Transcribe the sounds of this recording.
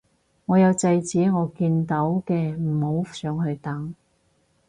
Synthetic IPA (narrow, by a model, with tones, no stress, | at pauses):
ŋɔː˨˧jɐ˨˧wt͡sɐ˧jt͡siː˨˥ŋɔː˨˧kiː˧nt̪ɐ˨˥wkɛː˧m̩˨˩ho˨˥wsœː˨˥ŋɦɵ˧ɥt̪ɐ˨˥ŋ